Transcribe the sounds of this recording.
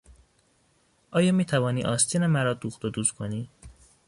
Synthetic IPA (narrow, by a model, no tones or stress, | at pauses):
ʔɒːjɒːmiːt̪ʰævɒːniːʔɒːst̪ʰiːnemæɾɒːd̪uxt̪od̪uːskʰoniː